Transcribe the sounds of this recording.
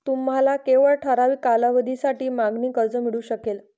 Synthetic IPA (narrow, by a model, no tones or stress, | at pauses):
t̪um̤alakeʋəɭʈʰəɾaʋiːkalaʋəd̪ʱisaʈiːmaɡniːkəɾd͡zəmiɽuːɕəkel